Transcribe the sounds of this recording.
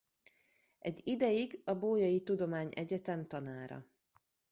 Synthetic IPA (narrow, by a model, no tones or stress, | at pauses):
ʔɛɟid̪ɛjiɡɒboːjɒjit̪ud̪o̞maːɲʔɛɟɛt̪ɛmt̪ɒnaːɾɒ̰